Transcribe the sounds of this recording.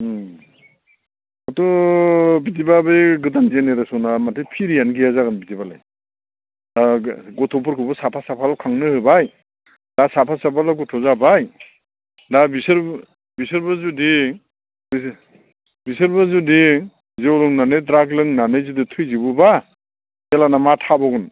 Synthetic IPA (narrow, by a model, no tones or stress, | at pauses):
atɔ | bitibabɯjɡɯtanzeneɾasɔnamatʰɯpʰiɾijanɡijazaɡanbitibala̰j | ɡɔtʰɔpɔɾkʰɯbɯsapʰasapʰalakʰaŋnɯhɯbaj | dasapʰasapʰalaɡutʰɔzabaj | dabisɯɾ | bisɯɾbazudi | b | bisɯɾbazudi | zewlɯŋnanɯdɾaɡlɯŋnanɯjzuditʰujzibɯba | elanamatʰabɔɡɯn